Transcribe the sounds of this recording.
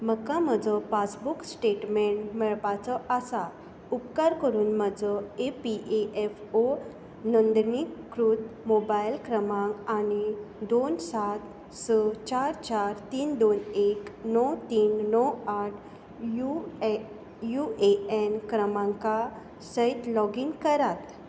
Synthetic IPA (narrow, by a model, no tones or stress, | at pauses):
məkaməd͡zɔpasbuksʈeʈmeɳʈmɛɭpat͡sɔʔasa | upkəɾkəɾuːnməd͡zɔepiʔeʔefo | nɔnd̪nikːɾud̪mobajlkɾəmãŋkanid̪onsat̪ | sət͡ɕaɾt͡ɕaɾt̪iːnd̪oneknɔwt̪iːnːɔwaʈʰ | ju | jueɛnkɾəmãŋka | səjt̪lɔɡiŋkəɾat̪